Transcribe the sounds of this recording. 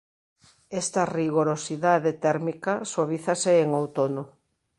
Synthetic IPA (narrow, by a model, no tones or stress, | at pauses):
est̪ɐriɣoɾosiðaðet̪ɛɾmikɐswaβ̞iθɐseːŋowt̪ono